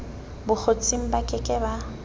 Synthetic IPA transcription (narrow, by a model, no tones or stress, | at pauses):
bʊk͡xʰot͡sʼiŋ̩bakʼɪkʼɛba